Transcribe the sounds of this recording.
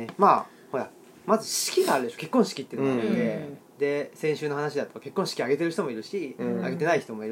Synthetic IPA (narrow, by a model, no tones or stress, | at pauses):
emaː | hoja | mazɨɕi̥kʲiɡaːɾɯ̟d̪e̞ɕoke̞kːõ̞ɰ̃ɕi̥kʲit̪ːeɯnod̪e̞ | d̪e̞sẽɰ̃ɕɨːno̞ɦanaɕ̬id̪at̪ːoke̞kːõɕi̥kʲiaɡe̞t̪e̞ɾɯ̟çi̥t̪o̞mo̞iɾɯ̟ɕia̰ɡe̞t̪e̞naiçi̥t̪o̞mo̞iɾɯ